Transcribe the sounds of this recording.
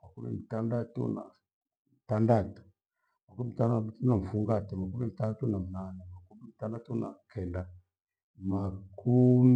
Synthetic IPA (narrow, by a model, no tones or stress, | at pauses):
makumḭmitandatṵna̰ | mitandatu̥ | makumitanamtunam̩fuŋɡatimakumimitanatunamunanamakumimitandatuna̰kʰɛnda | makʰum